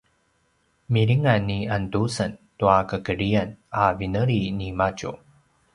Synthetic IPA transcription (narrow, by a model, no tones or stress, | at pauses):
miɾiŋanːiantusəntuakəkəɾianavinəɾinimat͡ʃṵ